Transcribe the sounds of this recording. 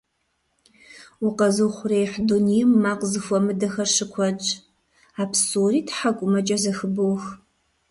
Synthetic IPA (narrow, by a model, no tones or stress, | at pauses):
ʊqɐzɨχʷʊrejħdunijmːaːqzɨxʷɔmɨdɐxɐrʂɨkʷʰɐt͡ʃʼ | aːpʰsoːriːtʰħakʷʼʊmɐt͡ʃʼɐzɐxɨbowx